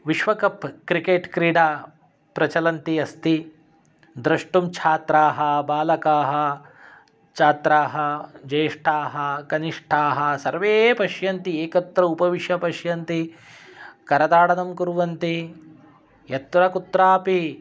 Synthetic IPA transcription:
ʋiʃʋɐkɐpkɾikeːʈkɾiːɖaː | pɾɐt͡ʃɐlɐnt̪iɐst̪i | d̪ɾɐʂʈumt͡ʃʰaːt̪ɾaːɦɐbaːlɐkaːɦɐ | t͡ʃʰaːt̪ɾaːɦɐd͡ʒɐːʂʈʰaːɦɐkɐniʂʈʰaːɦɐsɐɾʋeːpɐʃjɐnt̪ieːkɐt̪ːɾɐupɐʋiʃjɐpɐʃjɐnt̪i | kɐɾɐd̪aːɽɐnɐmkuɾuʋɐnt̪i | jɐt̪ːɾɐkut̪ɾaːpi

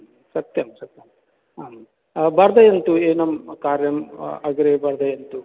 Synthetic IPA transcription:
sɐt̪jɐmsɐt̪jɐm | aːm | bɐɾd̪ɐjɐnt̪ueːnɐmkaːɾjɐmɐɡɾeːbɐɾd̪ɐjɐnt̪u

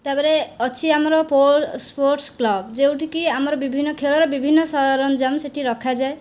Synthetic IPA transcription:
t̪abɔɾeɔt͡ʃʰiamɔɾɔpospoɾʈsklɔbd͡ʒewʈʰikiamɔɾɔbibʱinːɔkʰelɔɾɔbibʱinːɔsɔɦd̪ʱaɾɔnɔd͡ʒamseʈʰiɾɔkʰad͡ʒae

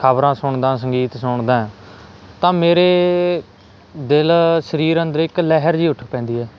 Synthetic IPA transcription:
kʰəbɾãːsʊɳd̪ãːs̬əŋɡiːt̪sʊɳd̪ãː | t̪ãːmeːɾeː | d̪ɪlsəɾiːɾənd̪əɾɪklɛɦəɾd͡ʒiːʊʈʰpɛ̃ːnd̪iːɦɛː

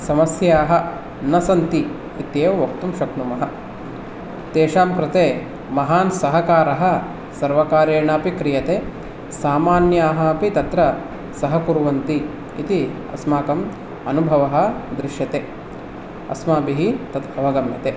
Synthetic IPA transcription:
sɐmɐsjaːɦɐ̆ | nɐsɐnt̪iː | t̪jeːʋɐʋɐk̚t̪umʃɐknumɐɦɐ | t̪eːʃaːmkɾɪt̪eː | mɐɦaːnsɐɦɐkaːɾɐɦɐ | sɐɾʋɐkaːɾjɐːɳaːpikɾijɐt̪eː | saːmaːnjaːɦɐɐpit̪ɐt̪ɾɐ | sɐɦɐkuɾuʋɐnt̪i | ḭt̪i | ɐ̰smaːkɐm | ɐnubʱɐʋɐɦɐ̆d̪ɾɪʃjɐt̪eː | ɐ̰smaːbiɦit̪ɐd̪bɐʋɐɡɐmjɐt̪eː

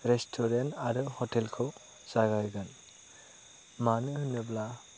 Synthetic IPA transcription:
ɾestʰɔɾentaɾɯhɔtɛlkʰɯw | z̥aɡajɡɯn | manɯhɯnɯbla

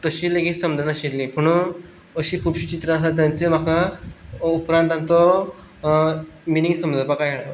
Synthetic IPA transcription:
t̪əɕiːleɡiːt̪səmd͡zanaɕillĩpəɽ̃u | əɕiːkʰuːbɕit͡ɕit̪ɾaəsat̪̬jant͡sem̤aka | upɾãnt̪ant̪ɔ | miniŋsəmd͡zəpakajaɭo

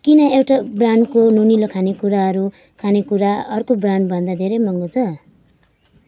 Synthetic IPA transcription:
kinʌewʈabraɳɖkonunilokʰanekuɾaɦʌɾu | kʰanekuɾaʌrkobraɳɖbʱʌnd̪ad̪ʱeɾʌjmʌŋɡot͡sʰʌ

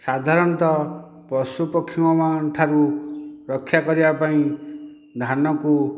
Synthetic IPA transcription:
sad̪ʱaɾɔnt̪ɔ | pɔsupɔkʰːimɔmanʈ̪ʰaɾuɾɔkʰːjakɔɾibapaĩ | d̪ʱanɔku

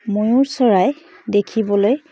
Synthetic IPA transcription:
mojʊɹsɔɹaj | dekʰibɔloj

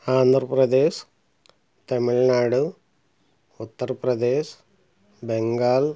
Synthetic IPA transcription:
aːnd̪ʱɾɐpɾɐd̪eːʃ | t̪ɐmiɭnaːɽu | ut̪ːɐɾpɾɐd̪eːɕ | beŋɡaːl

